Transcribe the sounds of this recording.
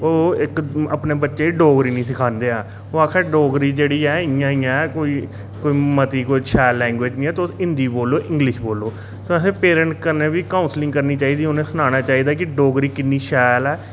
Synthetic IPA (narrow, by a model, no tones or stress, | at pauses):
oːɪkə̰pneːbətːʃeːiɖoːɡɾiːnĩːsɪkʰaːnd̪eːaː | oːaːkʰɛːɖoːɡɾiːd͡ʒeːɽiːɛːɪjãːɪjãɛkoːiː | koːiːmət̪iːkoːiʃɛːlːɛ̃ːŋɡʋeːd͡ʒnĩːɛːt̪oɪ̃nd̪iːboːlːoːʔɪ̃ŋɡlɪʃboːlːoː | sõːəsẽːpeːɾə̃ɳʈkəɾneːʋiːkaːʊ̃nslɪ̃ŋɡkəɾniːt͡ʃaːiːd̪iːonẽːsʊnaːñaːt͡ʃaːiːd̪aːkɪɖoːɡɾiːkɪnːiːʃɛːlɛː